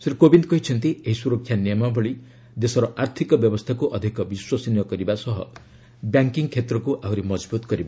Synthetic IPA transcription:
seɾkobind̪̚kʌɦit͡ʃʰʌnt̪ieɦisuɾɔkʰjanjemabɔɭi | d̪esɔɾɔʔaɾt̪ʰikɔbjɔbɔst̪ʰakuʔʌd̪ʱikɔbiswasinjɔkʌɾibasʌɦʌ̰ | bjaŋkiŋkʰet̪ɾɔkuʔauɾemɔd͡ʒbut̪ɡʌɾiba

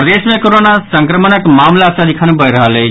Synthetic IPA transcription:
pɾəd̪eːsmẽkoɾoːnasɐ̃ŋkɾəmənəkmaːmlaːsãd̪ɪkʰañũbəiɾɐɦalː

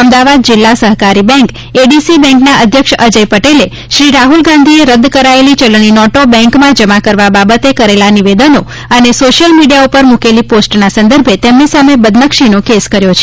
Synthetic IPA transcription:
əmd̪aʋad̪̚d͡ʒɪlːasəɦkaɾibɛ̃ŋk | eɖisibɛ̃ŋknaʔəd̪ʱjəkʃəd͡ʒəjpəʈele | ʃɾiɾaɦulɡãnd̪ʱieɾəd̪ːkəɾaelit͡ʃəlɳ̃inɔʈobɛ̃ŋkmãd͡ʒəmãkəɾʋababət̪ekəɾelaniʋed̪əno | ənesoʃjəlmiɖijaupəɾmukeliposʈnasə̃nd̪əɾbʱet̪emnisamebəd̪nəkʃinokeskəɾjot͡ʃʰe̥

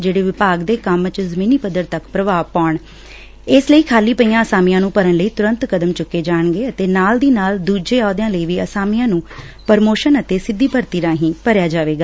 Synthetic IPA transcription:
d͡ʒeːɽeːʋɪpaːɡd̪eːkəmt͡ʃzəmĩːniːpəd̪ːəɾt̪əkpɾəʋaːpaːɳ | ɪsləiːkʰaːliːpəiːãːəsaːmijãːnũːpəɾənləiːt̪ʊɾə̃nt̪kəd̪əmt͡ʃʊkːeːd͡ʒaːɳɡeːət̪eːnaːld̪iːnaːld̪uːd͡ʒeːaːd̪jãːləiːʋiːəsaːmijãːnũː | pəɾmoːʃənət̪eːsɪd̪ːiːpəɾt̪iːɾãːɦĩːpəɾjaːd͡ʒaːʋeːɡaː

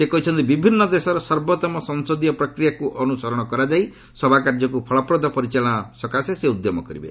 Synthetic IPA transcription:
sekɔɦit͡ʃʰɔnt̪ibibʱinːɔd̪esɔɾɔsɔɾbɔt̪ɔmɔsɔŋsɔd̪ijɔpɾɔkɾijakuʔɔnusɔɾɔɽ̃ɔkɔɾad͡ʒaj | sɔbʱakaɾd͡ʒɔkupʰɔɭɔpɾɔd̪ʱɔpɔɾit͡ʃaɭɔ̃asɔkaseseud̪jɔmɔkɔɾibḛ

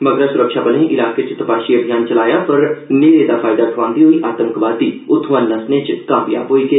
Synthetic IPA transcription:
mɐɡɾasʊɾəkʃabənẽʔɪlaːket͡ʃɪt̪əpaːʃiɐbʱijaːnt͡ʃɐlaːjapɐɾneːɾeːd̪afʰaːjd̪akʰʋãːnd̪iɦoiʔaːt̪əmkʋaːd̪iʊt̪ʰʋanːɐsnet͡ʃkaːpɪja̰ːpoːike

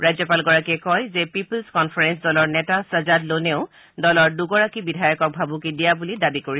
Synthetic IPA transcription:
ɹajzɔpalɡɔɹakiɛkɔjzɛpiplskɔnpʰaɹɛnsdɔlɔɹnɛtasazadloneʊ | dɔlɔɹduɡɔɹakibidʱajɔkɔk̚bʱabukidijabulidabikoɹi

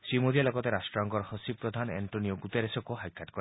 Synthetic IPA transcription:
sɾimod̪ʱijalɔɡɔt̪eɾasʈɾɔŋkɔɾhɔsib̚pːɾɔd̪ʱanḛɳʈonioɡut̪eɾesɔkuɦajkʰaʈkɔɾ

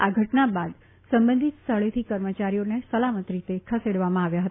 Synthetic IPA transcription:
aɡʱəʈnabad̪ | səmbə̃nd̪ʱit̪st̪ʰəɭet̪ʰikəɾmət͡ʃaɾijonesəlamət̪ɾit̪ekʰəseɽʋamãaʋjaɦət̪

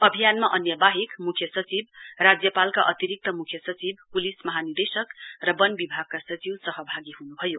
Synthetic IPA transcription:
ʌbʱijanmaʔʌnjʌbaɦikmukʰjʌsʌt͡sibrad͡zjʌpalkaʔʌt̪iɾik̚t̪ʌmukʰjʌsʌt͡sibpulismʌɦanird̪esʌkrʌbʌnbibʱaɡ̚kasʌt͡siwsʌɦʌbʱaɡiɦunubʱʌjo

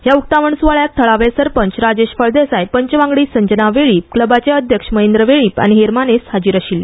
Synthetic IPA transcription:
ɦjauk̚t̪aʋəɳsuʋaɭjak̚t̪ʰəɭaʋesəɾpəɲt͡ɕɾad͡ʑeɕfəɭd̪esajpəɲt͡ɕʋãŋɡɭiːsəɲd͡ʑənaʋeɭiːp̚kləbat͡ɕeəd̪ʱjəkʂməɦend̪ɾəʋeɭiːpa̰ñiɦeɾmaneshad͡ʑiːɾaɕil

